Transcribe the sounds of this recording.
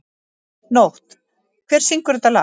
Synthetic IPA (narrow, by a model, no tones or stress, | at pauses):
nowht̪ | kʰvɛɾ̥siŋkʏɾʏt̪ala̰